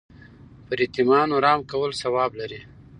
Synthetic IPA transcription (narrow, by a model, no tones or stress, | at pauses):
pəɾit̪imɑnoɾɑːmkawəlsawɑːblaɾi